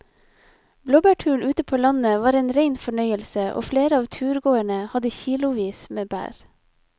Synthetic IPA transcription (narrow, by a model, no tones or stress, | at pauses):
bloːbæʈʰʉːɳʔʉːt̪əpʰoːlɑnəʋɑːɾeːnɾeɪnfɔɳœʏəlsəʔo̰ːfleːɾəɑːʋt̪ʰʉːɾɡoːæɳəhɑd̪əçiːlʊʋiːsmeːbæ̰ːɾ